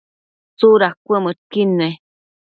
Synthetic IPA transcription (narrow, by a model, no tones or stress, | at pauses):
t͡suɾakʷemətkine